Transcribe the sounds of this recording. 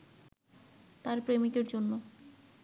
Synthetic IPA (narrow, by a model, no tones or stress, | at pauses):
t̪aɾpɾemid̪eɾd͡ʑonːo